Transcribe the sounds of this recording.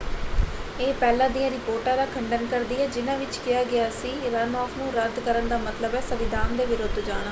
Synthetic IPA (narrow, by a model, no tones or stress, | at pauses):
eːpɛːlãːd̪ijãːɾɪpoːɾʈãːd̪aːkʰəɳɖənkəɾd̪iːɛːd͡ʒɪnãːʋɪt͡ʃkɪjaːɡɪjaːsiːɾənɔːfʰnũːɾəd̪kəɾənd̪aːmət̪ləbɛːsəʋɪd̪ʱaːnd̪eːʋɪɾoːd̪d͡ʒaːñaː